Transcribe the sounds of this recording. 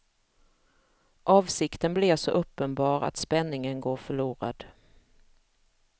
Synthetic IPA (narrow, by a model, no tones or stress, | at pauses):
ʔɑːvsɪkt̪ənblɛːvsɔʔɵpːənbɑːɾa̰t̪spɛnːɪŋənɡoːɾfœɭuːɾa̰d̪̥